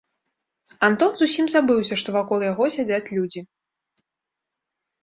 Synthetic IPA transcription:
ant̪ɔnzusʲimzabɨwsʲɐʂt̪ɔvakɔlˠjaɣɔsʲad͡zʲat͡sʲlʲud͡zʲi

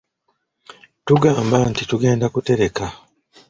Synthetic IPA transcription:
tuɡaːmbantituɡe̞ːndakute̞ɾe̞ka

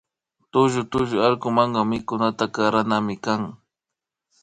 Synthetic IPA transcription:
t̪ʊʒʊt̪ʊʒʊaɾkʊmɑɴɢɑmɪkʊnat̪akɑɾanamɪkaŋ

